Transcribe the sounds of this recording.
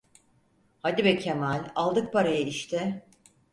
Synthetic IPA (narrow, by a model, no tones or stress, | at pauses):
had̪ibɛcʰemalʲalˠd̪ɯk̚pʰaɾajaiʃt̪ʰɪ